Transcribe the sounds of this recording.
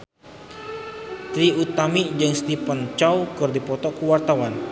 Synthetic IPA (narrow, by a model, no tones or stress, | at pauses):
t̪ɾiut̪amid͡ʒɨŋst̪ipənt͡ʃawkɨrdipɔt̪ɔkuwart̪awan